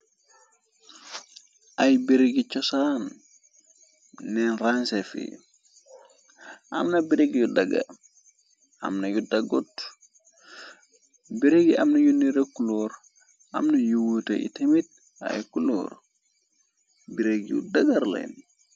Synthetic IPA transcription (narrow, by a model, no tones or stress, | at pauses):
ʔajbiɾeɡit͡ʃɔsan | ɛnransefḭ | ʔa̰mnabiɾeɡjudaɡa̰ | ʔa̰mnajudaɡot | biɾeɡiʔamnɐjunːiɾekuloɾ | ʔa̰mnɐjuwuta̰ḭtemit̚ | a̰jkulo̰ɾ | biɾeɡjṵdaɡaɾlḛn